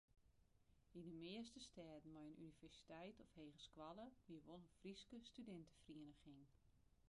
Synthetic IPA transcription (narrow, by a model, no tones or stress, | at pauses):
indəmɪəstəstɛːdn̩mɔjənʔynivɛrsi̥tɛjtɔfheːɣəskwalˠəʋiəʋolˠəfriskəstydɛntʰə̥friənəχin